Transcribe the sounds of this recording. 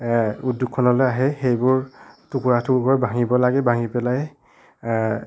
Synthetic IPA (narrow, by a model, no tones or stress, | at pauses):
udjukʰːɔnɔlɔjaɦɛxejbʊɹtukuɹatʰukukɔɹɛbaŋibɔlaɡɛbaŋipɛlaj